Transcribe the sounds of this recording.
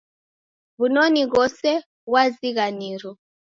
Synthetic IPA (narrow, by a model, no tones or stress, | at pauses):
βunɔniɣɔsɛ | ɣwaziɣaniɾɔ